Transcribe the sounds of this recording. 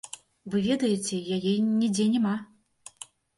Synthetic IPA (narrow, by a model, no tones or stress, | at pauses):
vɨvʲeɛd̪ɐjet͡sʲɛjajɛnʲid͡zʲɛnʲɛma